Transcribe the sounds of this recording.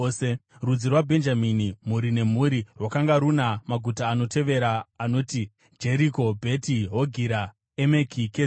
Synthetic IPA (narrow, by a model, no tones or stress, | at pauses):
serud͡zirwabʱe̞nd͡ʒaminimuɾine̞m̤uɾirwakaŋɡaɾunamaɡʱutaːno̞tʰe̞ʋe̞ɾaːno̞ːti | d͡ʒe̞ɾiko̞bʱe̞tiɦoɡʱiɾa | emekʰike